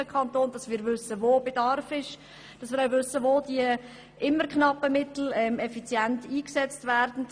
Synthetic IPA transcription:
əkʰχɑntoːnd̥ɑsmiːɾvʏsəvoːbed̥ɑrfɪʃ | d̥ɑsmiːɾaʊvʏsəʋoːd̥iə | ʔɪmːəɾkχnɑpəmɪtl̩ɛmɛfit͡sjæntiːksɛt͡stvæːrdn̩

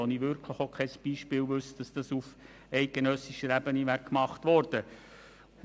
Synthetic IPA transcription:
ɔniʋʏɾkʰləχokʰɛsb̥iːʃpɪːlʋʏsd̥ɑsd̥ɑsuf | ɛɪt̚ɡ̥enœsiʃəɾæbəniʋækkːmɑχtʋɔɾd̥ə

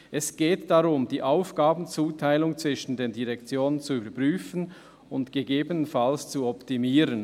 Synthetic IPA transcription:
ʔɛsɡ̥eːtd̥ɑʁʊmd̥iːʔaʊfɡ̥aːbn̩t͡suːtʰaɪlʊŋt͡sv̥ɪʃn̩deːndiʁɛkt͡sjoːnənt͡suybəpʁyːfən | ʊntɡ̥eɡeːbənənfalst͡suɔptimiːɾən

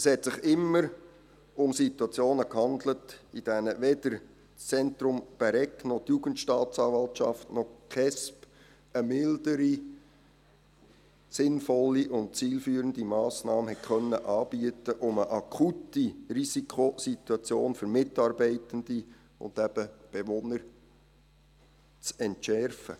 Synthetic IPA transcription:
əshɛtsɪχɪmːəɾ | ʊmsituɑt͡sjoːnəkhɑndlətid̥ænəʋɛdəɾ | t͡st͡sɛntɾʊmb̥ɛɾɛknɔt̪juɡ̥əntʃtɑːtt͡sɑːʋɑltʃɑ̰ftnɔχkʰɛsp | əmɪldəɾi | sɪnfɔlːiʔʊnt̚t͡siːlfyːəɾənd̪imɑːsnɑːmənhɛt̚kʰœnːəʔɑːb̥iətəʔʊməʔɑkʰutirisikʰχosituɑt͡sjoːnfʏɾmɪtɑɾbɛɪtənd̥̪i | ʊ̰nd̪æb̥əb̥eʋɔnəɾ | t͡sɛntʃɛɾfə̰

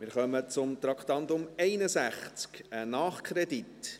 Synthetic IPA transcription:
mɪɾχœmət͡sʊmt̪ɾɑkχt̪ɑnd̪ʊmɛɪnəsæχt͡skənɑːχkʰɾɛd̪it

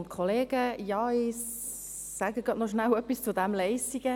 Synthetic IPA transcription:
ntkʰɔleːɡəjɑːɪ | saɡəɡɑtnɔʃnawœpːist͡sʊdæmlɛɪsiɡə

